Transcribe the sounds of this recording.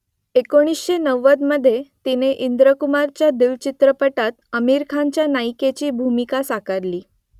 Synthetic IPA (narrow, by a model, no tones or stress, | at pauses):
ekoɽ̃isɕenəʋːəd̪məd̪ʱːjet̪ineʔind̪ɾəkumaɾt͡ɕjad̪ilt͡ɕit̪ɾəpəʈat̪əmiɾkʰaɲt͡ɕjanajket͡ɕiːbʱumikasakəɾliː